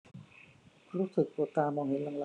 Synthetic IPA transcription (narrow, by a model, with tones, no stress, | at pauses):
ɾuː˦˥sɯ˨˩k̚poː˨˩t̪aː˧mɔː˧ŋhɦe˩˦nla˧ŋla˧